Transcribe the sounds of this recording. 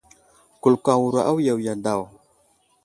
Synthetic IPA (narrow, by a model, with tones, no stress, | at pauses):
ku˨lka˨wu˨ɾa˨ʔa˦wja˨wja˨nda˨w